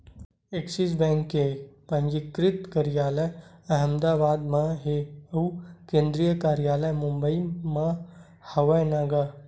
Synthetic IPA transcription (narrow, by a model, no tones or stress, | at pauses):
eksis̬bɛ̃ːŋkːepɐ̃ŋd͡ʒikɾɪt̪kɐɾijaːləjɐɦə̃md̪aːbaːd̪mãɦeɐukẽːnd̪ɾijəkaːɾijaːləjmʊmbəimã | hɐʋɐjnaɡa